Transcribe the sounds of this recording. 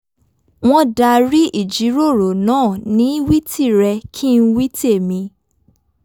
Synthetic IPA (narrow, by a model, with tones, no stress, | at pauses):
w̃ɔ̃˦da˧ɾi˦ʔi˦˨d͡ʒi˨˦ɾo˦˨ɾo˨nãː˦˨nĩ˨˦wi˦ti˦˨ɾɛ˧kʰi˦n̩˦wi˦te˦˨mĩ˧